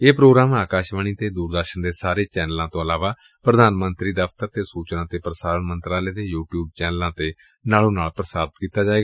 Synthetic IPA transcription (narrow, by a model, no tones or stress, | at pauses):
eːpɾoːɡɾaːmaːkaːʃʋəɳ̃iːt̪eːd̪uːɾd̪əɾʃəɳd̪eːsaːɾeːt͡ʃɛːnəlãːt̪õːəlaːʋaː | pɾəd̪ʱaːnmənt̪ɾiːd̪əft̪əɾt̪eːsuːt͡ʃnãːt̪eːpɾəsaːɾənmənt̪ɾaːleːd̪eːjuːʈjuːb̚t͡ʃɛːnəlãːt̪eː | naːlõːnaːlpɾəsaːɾt̪kiːt̪aːd͡ʒaːeːɡaː